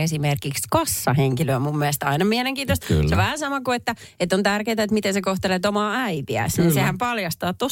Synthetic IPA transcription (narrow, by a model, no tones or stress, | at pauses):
esimerkikskɑsːɑheŋkiløːmumːiɛst̪ɑinɑmiæleŋkiːt̪ost̪soʋæhæsɑmɑkuet̪ːæ | et̪ːont̪ærkeːt̪æet̪mit̪ensekoht̪elet̪omɑːæit̪iæ̰sninsehæmpɑljɑst̪ɑːtt̪o